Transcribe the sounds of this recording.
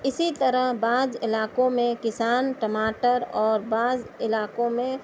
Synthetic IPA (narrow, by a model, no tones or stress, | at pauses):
ɪsit̪əɾəɦbaːd͡ʒɪlaːkõmẽkɪsaːnʈəmaːʈəɾɔːɾbaːd͡ʒɪlaːkõmẽ